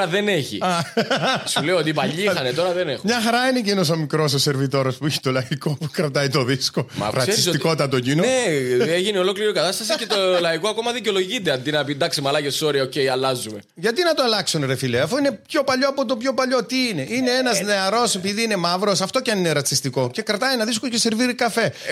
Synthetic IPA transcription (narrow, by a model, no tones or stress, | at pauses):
ɐðe̞ne̞çḭɐ | sleoot̪ipɐʎːixɐnet̪o̞ɾɐðenexmɲɐxɐɾɐinecenos̬omikɾo̞s̬ose̞ɾvit̪o̞ɾospuiçe̥t̪o̞lɐiko̞pukɾɐt̪ɐjt̪o̞ðiskomɐ̰ɾɐsisoiko̞t̪t̪ːɐt̪ocinoneeʝineo̞lo̞kliɾikɐt̪ɐst̪ɐsicet̪olɐikoɐko̞mɐðiceolo̞ʝit̪eɐnd̪inɐpind̪ɐksimɐlɐʝeso̞ɾiɐoce̞jɐlɐzume | ʝɐt̪inɐt̪oɐlɐksunɾefileɐfuine̞pço̞pɐʎo̞ɐpot̪̬o̞pço̞pɐʎo̞t̪iine̞ʔineenɐzne̞ɐɾo̞sepiðiine̞mɐvɾo̞sɐft̪o̞cɐnineɾɐt͡sist̪iko̞ce̞kɾɐt̪ɐjenɐðiskoce̞se̞ɾviɾikɐfe̞